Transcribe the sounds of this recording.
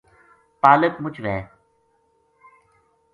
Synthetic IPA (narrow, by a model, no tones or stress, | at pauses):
paːləkmʊt͡ʃʰʋɛː